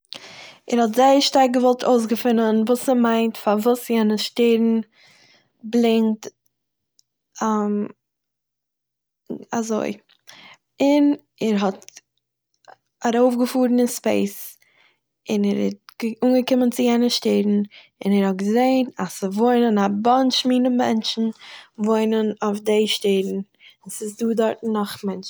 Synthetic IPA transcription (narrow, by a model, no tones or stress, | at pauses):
ɛɾhɔtzaɪəɾʃtaɾk̚ɡəvɔlˠtʰoʊs̬ɡəfɪnənvuːsɛmaɪntfaɾvuːsjɛnəʃteɾn̩ | blˠɪŋt | am | azo̰ɪ | ɪn | ɛɾɦɔt | aɾoʊfɡəfuːɾn̩ɪnspḛɪs | ɪnɛɾɛ̰t̚ɡuːnɡəkɪmənt͡sɪjɛnəʃteɪdn̩ | ɪnɛɾhɔt̚ɡəzeɪnasɪvoɪnənabɔnʃmiːnəmɛnt͡ʃn̩voɪnənofdeɪʃteɪdn̩ | sɪsduːdɔɾtn̩ːɔχmɛnt͡ʃ